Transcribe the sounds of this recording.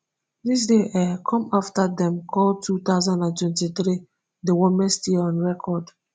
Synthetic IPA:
dis̬deʔɛkʰɔ̃maftadɛ̃mkʰɔltʰut̪aʊzãndãntwɛ̃ntiθɾi | dewɔ̃mɛ̃stiɔ̃nɹɛkʰɔd

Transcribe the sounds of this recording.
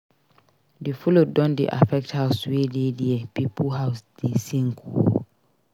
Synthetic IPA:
defulodɔ̃ndḛʔa̰fɛk̚thawswedediɛpipʰuɦaʊsdesĩŋkʰu

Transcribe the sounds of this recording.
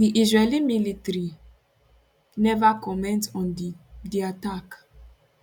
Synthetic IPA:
diʔizɹɛlĩmilitɾi | nɛvakɔmɛ̃ntɔ̃ndiatak

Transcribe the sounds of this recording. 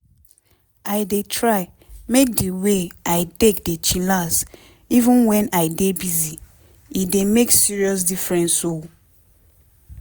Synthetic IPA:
aɪdetʰɹaɪ | mek̚diweʔaɪtekdet͡ʃilas | ivə̃nwɛ̃naɪdebizi | idemeksiɹiɔs̬difɹɛ̃nso

